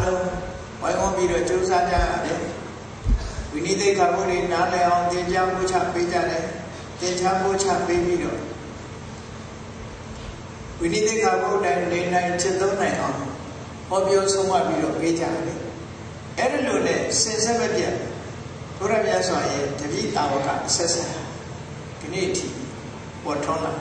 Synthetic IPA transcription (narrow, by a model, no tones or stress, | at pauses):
alõʊ̃ | wãɪ̃ʔʊ̃mpjiɾɔ̰t͡ɕozad͡ʑa̰ja̰d̪ɛ | winit̪eʔɡabodwenalɛʔãʊ̃t̪ɪ̃pjabot͡ɕʰa̰ped͡ʑa̰dã | t̪ɪ̃t͡ɕʰabo̰t͡ɕʰa̰pepjiɾɔ̰ | winit̪eɡaboʔtãɪ̃nẽn̥ãɪ̃t͡ɕʰɪ̃t̪õʊ̃nãɪ̃ʔã̰ʊ̃ŋo | hɔpjɔsõʊ̃ma̰piɾɔ̰ped͡ʑa̰d̪le | ʔɛɾilonɛ̰̃sɪ̃ʔsɛbɛpjã̰ | b̥oɾamja̰swajɛdəbjḭt̪awɔka̰ʔəsɛʔsãɦa | ɡənḛʔətʰḭ | pɔtʰõʊ̃la̰